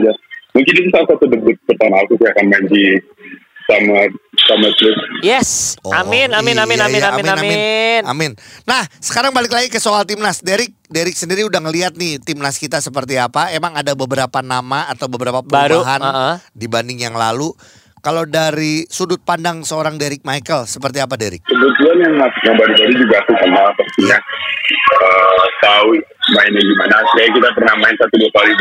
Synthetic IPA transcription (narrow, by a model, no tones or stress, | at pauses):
d͡ʒamuŋkɪnit̪usasat̪ədədət̪̚pət̪analkusiakanmaɲd͡ʒi | samasamatɾʊsjɛsoʔamɪnamɪnamɪnamɪnaamanammɪnnamɪnːahsə̥kaɾaŋbalɪklaɡikəsoalt̪ɪmnasdeɾɪk̚deɾɪk̚səndiɾiudaŋəliat̪̚nɪht̪ɪmnaskit̪asəp̬ərt̪̬iapaemaŋadabəbəɾapanamaːt̪awbəbəɾapapətɾuɦannʔdibandɪŋjaŋlalu | kalawdaɾisudʊt̪̚pandaŋsəoɾaŋdeɾɪk̚majkəlsəpərt̪̬iap̬adeɾɪ̰k̚təbət̪uanjaŋasʊkjaŋbaɾubaɾud͡ʒuɡaːkukənalpəst̪iɲa | ət̪au | maɪnaɡimanasəkajakit̪apərnahmaɪnsat̪uduat̪auid